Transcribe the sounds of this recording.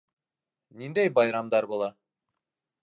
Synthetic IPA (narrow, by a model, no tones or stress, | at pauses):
nind̪ejbɑjɾɑmd̪ɑɾbolˠɑ